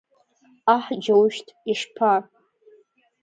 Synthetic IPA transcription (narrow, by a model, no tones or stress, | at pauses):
aħd͡ʒawʃtʰʼiʂpʰa